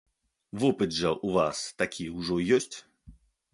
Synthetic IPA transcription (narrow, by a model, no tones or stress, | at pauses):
vɔpɨd̪ʐɐʔuvast̪akʲʰiwʐɔjɔsʲt͡sʲ